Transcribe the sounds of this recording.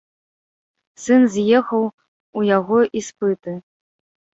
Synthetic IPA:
sɨnzʲjɛxɐw | ujaɣɔʔispɨt̪ɨ

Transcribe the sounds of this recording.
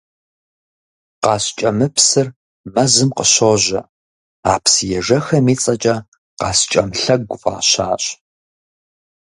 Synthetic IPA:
qɑːɕt͡ʃʼɐmɨpsɨr | mɐzɨmqəɕoʑɐ̰ | aːpsjɛʒɐxɐmiːt͡sʼɐt͡ʃʼɐ | qɑːst͡ʃʼɐmɬɐɡʷʊfɑ̰ːɕaːɕ

